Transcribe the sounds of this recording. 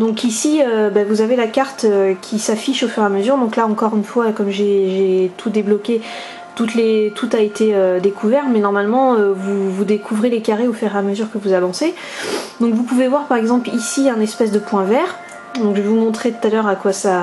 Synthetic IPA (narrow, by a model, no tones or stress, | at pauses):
d̪ɔ̃kisiøbavuzavelakaʁt̪økʲʰisafiʃofyʁeaməzyʁd̪ɔ̃klaɑ̃kɔʁynfwakɔmʒeʒet̪ʰud̪eblɔkʲe | t̪ut̪let̪ʰut̪aet̪eød̪ekʰuvɛʁmɛnɔʁmalmɑ̃øvuvud̪ekʰuvʁelekaʁeofyʁeaməzyʁkəvuzavɑ̃se | d̪ɔ̃kvupuvevwaʁpaʁɛɡzɑ̃plisiɛ̃nɛspɛsd̪əpwɛ̃vɛʁ | d̪ɔ̃kʒəvumɔ̃t̪χet̪ut̪alœʁakwasa